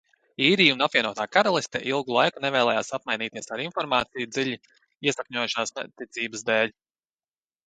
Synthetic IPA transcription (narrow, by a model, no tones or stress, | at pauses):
iːɾiːunapvʲiɛnuɔt̪aːkaɾalˠist̪ɛʔilˠɡulˠajkunɛvɛːlˠɛːjaːsap̚majniːt̪iɛsaɾinfɔɾmaːt̪sijud̪ziʎʲi | iɛsakɲɔjuʃaːsnt̪ːit̪siːbəsd̪ɛːlʲ